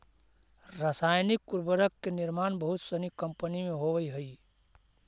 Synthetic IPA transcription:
ɾasajnikːuɾbəɾəkːeniɾmanbəɦut̪sənikəmpənimeɦoʋəiɦəi

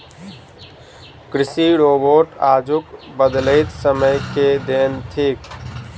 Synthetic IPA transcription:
kɾɪsiɾoːboːʈaːd͡ʒʊkbəd̪ləɪt̪səməjked̪eːnt̪ʰiːk

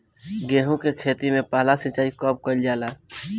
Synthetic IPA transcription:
ɡeːɦũkekʰeːt̪imẽpaːlasit͡ʃaːikɔp̚kəld͡ʒaːla

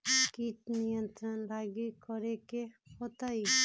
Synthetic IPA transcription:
kit̪nijə̃nt̪ɾənɾaːɡikɔɾekehot̪ai

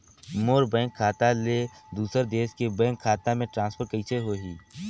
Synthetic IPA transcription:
moːɾbɛ̃ːŋkʰːaːt̪aled̪uːsəɾd̪eːʃkebɛ̃ːŋkʰːaːt̪amẽʈɾãːnspʰəɾkəit͡ʃeɦoːɦiː

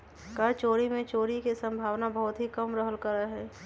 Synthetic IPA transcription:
kəɾt͡ʃoːɾimẽt͡ʃoːɾikesə̃mbʱaːʋnabəɦʊt̪ɦikəmɾəɦəlkəɾəɦɛː

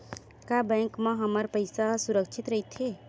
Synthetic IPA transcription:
kabɛ̃ŋkmãɦəməɾpəɪsasuɾəkʃʰɪt̪ɾəɦit̪ɦe

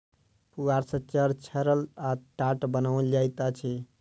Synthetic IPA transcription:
puɡaɾsə̃t͡ʃəɾt͡ʃʰəɾəlaʈaʈbənawd͡ʒajt̪at͡ʃʰɛ

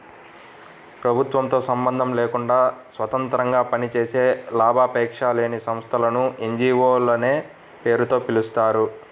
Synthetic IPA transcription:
pɾɐbʱut̪ʋɐmt̪o̞ːsɐmbɐnd̪ʱɐmleːkuɳɖaːsʋɐt̪ɐnt̪ɾɐŋɡaːpɐnit͡ʃeːse̞ːlaːbʱaːpɛːkʂaːleːnisɐmst̪ʰɐlɐnuʔeɲd͡ʒiːʋoːlɐne̞ː | pe̞ːɾut̪o̞ːpilust̪aːɾu

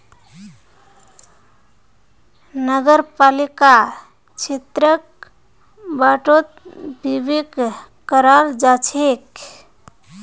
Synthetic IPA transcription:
nəɡəɾpalika | t͡ʃʰet̪ɾək̚ | baʈot̪̚bʱibiɡ | kəɾald͡ʒat͡ʃʰek

